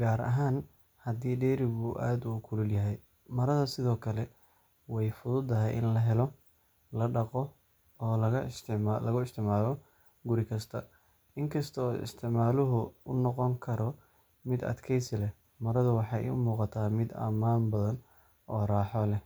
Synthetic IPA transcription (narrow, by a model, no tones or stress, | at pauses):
ɡaːɾɐ̰ɦaːn | hɐd̪iːɖɛːɾɪɣʊʔa̰ːd̪ʊkʰʊlʊljɐɦɛj | mɐɾɐðɐsɪðɔːkʰɐlɛ | wɑjfʊðʊd̪ɐɦɛjʔɪ̰nlɐɦɛlɔ | lɐɖɑqɔ | ɔːlɐɐst̪ʰɪʕalɐɣʊɪst̪ʰɪʕmaːlɔ | ɡʊɾɪkʰɐst̪ʰɐ | ɪŋkʰɐst̪ʰɔɔːɪ̰st̪ʰɪʕmaːlʊɦʊʊnɔqɔŋkʰɐɾɔ | mɪd̪ɐ̰d̪kʰɛjsɪlɛ | mɐɾɐðʊwɑħɑ̰ʊ̰muːqɑt̪ʰaːmɪd̪ɐ̰maːnbɐðɐn | ʔɔːraːħɔlɛ